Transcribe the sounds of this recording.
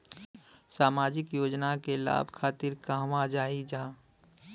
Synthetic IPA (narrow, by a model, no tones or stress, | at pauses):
saːmaːd͡ʒɪkjoːd͡ʒnakela̰ːbʱkʰaːt̪ɪɾkãɦʋãd͡ʒaːid͡ʒaː